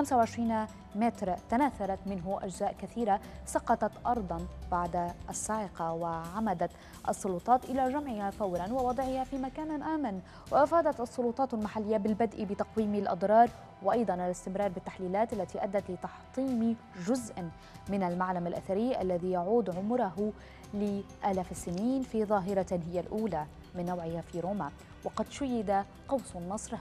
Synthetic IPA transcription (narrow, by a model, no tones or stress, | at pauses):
xamsawʕɪʃɾiːna | mɪt̪ɾt̪anaːθɑɾˤɑt̪mɪnɦʊʔa̰ʒzaːʔkaθiːɾasɑqɑt̪ɑt̪ʔɑɾˤd̪ˤɑnbaʕd̪aʔasːaːʕɪqɑwɪʕamad̪at̪ | ʔɑ̰sˤːʊlut̪ˤɑːt̪ʔɪlaʒamʕɪhafawɾanwɪwɑd̪ˤʕɪhafiːmakaːnʔaːman | wɪʔafaːd̪at̪ʔɑsˤːʊlʊt̪ˤɑːt̪almaħalːɪjːabɪlbad̪ʔibɪt̪ɑqwiːmalʔɑ̰d̪ˤɾˤɑːɾˤ | wɪʔɑjd̪ˤɑnʔalɪst̪ɪmɾɑːɾˤbɪt̪ːaħliːlaːt̪ʔalːat̪iʔad̪ːat̪lɪt̪ɑħt̪ˤiːm | ʒʊzʔ | mɪnalmaʕlamalʔa̰θaɾɪːʔa̰lːaðijaʕuːd̪ʕʊmɾaɦʊ | lɪ | ʔalaːfsɪniːnfiðˤɑːɦɪɾɑɦɪjːalʔuːla | mɪnːawʕɪhafiːɾoːma | wɑqɑd̪ʃʊjːɪd̪a | qɑwsnːɨsˤɾ